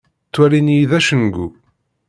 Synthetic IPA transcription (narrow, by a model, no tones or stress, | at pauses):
t͡sːwæɾinjiðæʃənɡṵ